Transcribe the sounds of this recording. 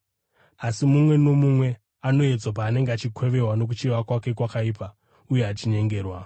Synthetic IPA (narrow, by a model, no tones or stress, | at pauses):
asimumwe̞no̞mumwe̞ | ano̞e̞d͡zop̬aːne̞ŋɡeat͡ʃikʰweʋe̞ɦwano̞k̬ut͡ʃeʋakwake̞kwakaiːpa | uje̞at͡ʃiɲe̞ŋɡe̞ːrwa